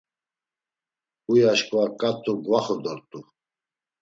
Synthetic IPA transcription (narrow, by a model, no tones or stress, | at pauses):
ujaʃkʼuakʼat̪ʰʼuɡvaχɔd̪ɔɾt̪ʼu